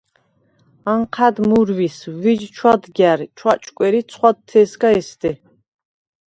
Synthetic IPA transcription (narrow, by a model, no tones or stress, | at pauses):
aɴqʰæd̪muɾwiswid͡ʒt͡ʃʰwad̪ɡjæɾt͡ʃʰwat͡ʃʼkʼɛɾit̪sʰχwad̪t̪ʰːɛːsɡaɛst̪i